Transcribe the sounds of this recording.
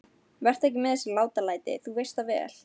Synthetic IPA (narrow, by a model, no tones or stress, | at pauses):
vɛr̥t̪ɛhcɪmɛðɛsːɪlaːwt̪alaːjt̪ɪ̰θuvejst̪avɛ̰ːl